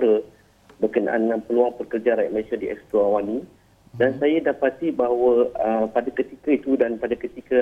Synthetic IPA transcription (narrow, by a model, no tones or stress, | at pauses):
ɾə | bərkəna̰ʔa̰ndəŋanpəluaŋpərkərd͡ʒaɾaja̰ʔməlesadiʔɛ̰kst̪ɾoawani | dansajadapat̪ibaɦwaəpadakət̪ikait̪udanpadakət̪ikə